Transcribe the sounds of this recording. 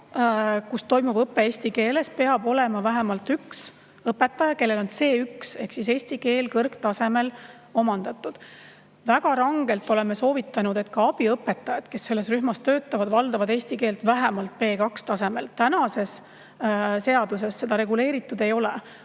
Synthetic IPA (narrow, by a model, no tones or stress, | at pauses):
kust̪o̞jmub̥ɤpːˑe̞eːsʲt̪ike̞ːle̞spe̞ɑbo̞lemɑvæɦæmɑlt̪yks | ɤpːˑe̞t̪ːˑɑjɑke̞lːe̞lo̞nse̞ːykse̞hksise̞ːsʲt̪ike̞ːlkɤrkt̪ɑse̞me̞l | o̞mɑnd̪̥ɑt̪ːˑud̪̥ | væɡ̥ɑɾɑŋɡ̥e̞lt̪ːˑo̞le̞meso̞ːvit̪ˑːɑnud̪̥e̞t̪kɑɑb̥iɤpːˑe̞t̪ːˑɑjɑd̪̥ke̞sːe̞lːe̞sryɦmɑst̪ø̞ːt̪ːˑɑvɑd̪̥vɑld̪ɑvɑd̪e̞ːsʲt̪ike̞ːlt̪væɦæmɑlt̪̚pe̞ːkɑkst̪ɑse̞me̞lt̪ænɑse̞s | se̞ɑd̪̥us̬e̞sːe̞d̪̥ɑɾe̞ɡule̞ːɾit̪ːˑud̪e̞jo̞le